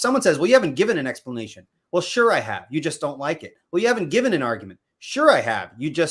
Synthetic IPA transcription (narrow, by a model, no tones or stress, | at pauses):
sʌ̃mwʌ̃nsɛzwɛlˠjɨhævɨ̃n̩ɡ̥ɪvɨ̃ñɨ̃nɛkspləneɪʃɨ̃n | wɛlˠʃʊɹaɪɨ̰vjɨd͡ʒʌsd̥õʊ̃nʔlaɪkɨt̚wɛlˠjɨhævɨ̃n̩ɡ̥ɪvɨ̃nɨ̃nɑɹɡjmɨ̃nt | ʃʊɹaɪɨ̰vjɨd͡ʒʌs